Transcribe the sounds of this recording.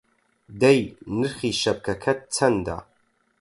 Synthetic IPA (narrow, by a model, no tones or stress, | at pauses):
dejnɨrχʲiːʃɐp̚kʰɐkʰɐt̚t͡sʰɐnda̰